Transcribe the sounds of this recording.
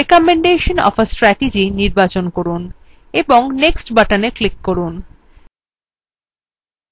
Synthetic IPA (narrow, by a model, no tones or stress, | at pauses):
ekɔmeɳɖeʃonɔ̰fəsʈɾɛʈid͡ʑiniɾbat͡ɕonkoɾun | eboŋneksʈbaʈaneklikːoɾun